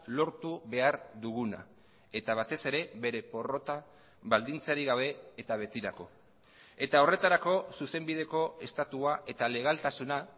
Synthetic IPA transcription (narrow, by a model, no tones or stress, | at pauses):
lo̞ɾt̪uβe̞aɾðuɣ̞una̰ | e̞t̪aβ̞at̪e̞se̞ɾe̞βe̞ɾe̞po̞ro̞t̪a | βald̪int͡saɾiɣaβ̞e̞ːt̪aβ̞e̞t̪iɾako̞ | e̞t̪ao̞re̞t̪aɾako̞suse̞mbið̞e̞ko̞e̞st̪at̪uaʔe̞t̪ale̞ɣ̞alt̪asuna